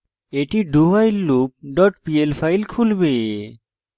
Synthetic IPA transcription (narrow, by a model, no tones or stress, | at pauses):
eʈiɖubajlːup̚ɖɔʈpielpʰajlkʰulbe